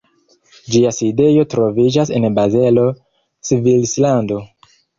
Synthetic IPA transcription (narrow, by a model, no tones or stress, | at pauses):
d͡ʒiaside̞jo̞tɾo̞vid͡ʒas̬e̞nbaze̞lo̞ | svilslando̞